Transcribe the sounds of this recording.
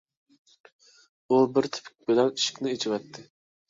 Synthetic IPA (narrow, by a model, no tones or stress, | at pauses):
ubɪɾt̪ʰɪ̥pʰɪ̥k̚ʲbɪlɛniʃɪ̥kʲnɪet͡ʃʰɪwɛt̪ʰːɪ